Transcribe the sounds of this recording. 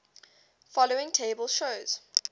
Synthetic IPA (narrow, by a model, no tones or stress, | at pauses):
fɔloɪ̃ŋtʰeɪbəlˠʃoʊz̥